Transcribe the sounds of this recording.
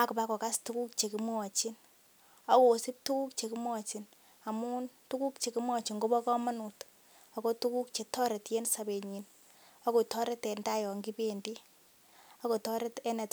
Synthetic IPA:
a˦ku˨pa˦kɔ˨ka˦stu˦ku˦k̚t͡ʃe˨ki˦m˦ɔ˨t͡ʃi˦n | a˨˦koː˨si˦p̚tu˦ku˦k̚t͡ʃe˨ki˦m˦ɔ˨t͡ʃi˨n | a˨mu˦ntu˦ku˦kt͡ʃe˨ki˦mwɔ˨t͡ʃi˨ŋɡo˦bɔ˦kɔ˦ma˦nu˨t | a˨ko˦tu˦ku˦kt͡ʃe˨tɔ˦ɾɛ˨tje˦nsa˨be˨ɲi˨n | a˦ko˨tɔ˦ɾɛ˦tɛ˨nta˦jɔ˨ŋɡi˦pe˦ndi˦ | a˦ko˨tɔ˦ɾɛ˦tɛ˦nɛ˨t

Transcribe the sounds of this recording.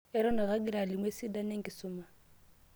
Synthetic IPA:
ɛ˦ɾɔ˦na˨ɣa˦ɡɪ˦la˨lɪ˨ŋwe˦sɪ˦da˦ne˦ŋ̩˦kʼɪ˨sʊː˦ma˨

